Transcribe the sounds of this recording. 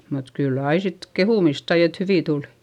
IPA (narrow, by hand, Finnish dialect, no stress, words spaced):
mut kylː ɑi sit kehuˑmist sɑi et hyʋiˑ tuli̥